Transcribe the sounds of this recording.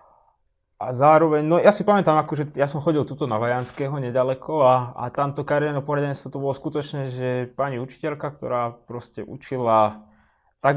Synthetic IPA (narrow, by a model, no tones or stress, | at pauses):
ʔazaːɾɔʋɛɲnɔjasipamɛt̪aːmakɔʒɛjasɔmxɔɟilˠt̪ut̪ɔnaʋajanskɛːɦɔɲɛɟalɛkʰɔaa̰t̪amt̪ɔkaɾiɛnɔpɔɦlaɟɛɲɛt͡st̪ʋɔt̪ɔbɔlɔskut̪ɔt͡ʃnɛːʒɛpaɲiut͡ʃi̥cɛʎkakt̪ɔ̰ɾaːpɾɔscɛʔṵt͡ʃila | t̪aɡ